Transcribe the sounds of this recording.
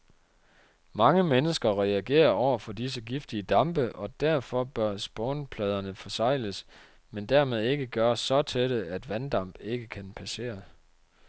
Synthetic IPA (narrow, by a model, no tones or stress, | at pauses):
mɑ̈ŋəmenəsɡ̥ɐʁɛæɡ̥e̝̰ːɐɒʊ̰ɐfɒ̽dis̬əɡ̥ifd̥iəd̥ɑ̈mb̥əʔɒ̽d̥æɐ̰fɒ̽b̥ɶɐsb̥ɔʊnpʰlɛːð̞ˠɐnəfɒ̽sɑ̈ɪ̰ləs | mend̥æɐmeð̞ˠe̝ɡ̥əɡ̥ɶːɐsːɒ̽t͡sʰeɾ̥əæd̥ʋænd̥ɑ̈m̰b̥e̝ɡ̥əkʰænpʰæse̝̰ːɐ